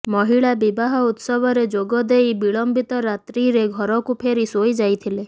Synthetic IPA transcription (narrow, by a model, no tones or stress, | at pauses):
mɔɦiɭabibaɦɔut̪sɔbɔɾed͡ʒoɡɔd̪ejbiɭɔmbit̪ɔɾat̪ɾiɾeɡʱɔɾɔkupʰeɾisojd͡ʒajt̪ʰile